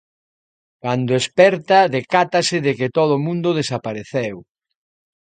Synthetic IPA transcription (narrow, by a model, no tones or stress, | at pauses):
kand̪oespɛɾt̪ɐðekat̪ɐsɪðekɪt̪oð̞ʊmũnd̪ʊðesapaɾeθɛw